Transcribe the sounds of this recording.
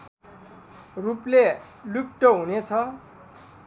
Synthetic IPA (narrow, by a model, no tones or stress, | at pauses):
ruplelukʈʌɦunet͡sʰʌ